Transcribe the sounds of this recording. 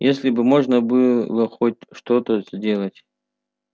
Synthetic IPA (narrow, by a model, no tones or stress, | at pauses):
jʔesʲlʲɪbɨmoʐnəbɨlˠəxotʲʂt̪ot̪əz̥ʲdʲelˠətʲ